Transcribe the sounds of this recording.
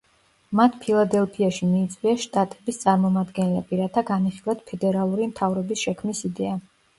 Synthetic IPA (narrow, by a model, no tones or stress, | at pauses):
mat̪ʰpʰilˠad̪ɛlˠpʰiaʃimiːt̪sʼvwiaʃt̪ʼat̪ʼɛbist̪sʼaɾmɔmad̪ɡɛnlɛbiɾat̪ʰaɡaniχilˠat̪pʰɛd̪ɛɾalˠuɾimt̪ʰavɾɔbisʃɛkʰmisid̪ɛa